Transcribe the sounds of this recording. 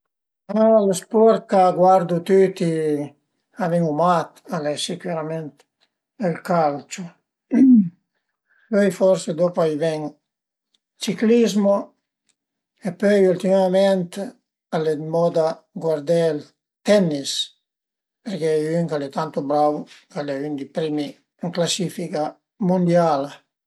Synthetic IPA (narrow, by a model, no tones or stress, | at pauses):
alespɔɾkaɡwaɾd̪ut̪yt̪i | aviŋumat̪alɛsikuɾament̪ | elkalt͡ʃu | pøjfɔɾsed̪opoajvɛŋ | t͡ʃiklizmo | epøjult̪imamɛnt̪ | aled̪mɔd̪a | ɡwaɾd̪ɛl | t̪ɛnːis | peɾkejyŋkalɛt̪ant̪obɾawkalɛynd̪ipɾimi | ŋklasifika | mund̪jala